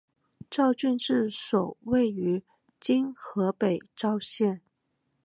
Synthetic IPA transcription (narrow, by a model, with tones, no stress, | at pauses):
ʈ͡ʂɑ˥˧ʊt͡ɕy˥˧nʈ͡ʂɻ̩˥˩ʂo˨˩ʊwe˥˩ɪy˧˥ | t͡ɕi˥nxɤ˧˥pe˨˩ɪʈ͡ʂɑ˥˧ʊɕjɛ˥˩n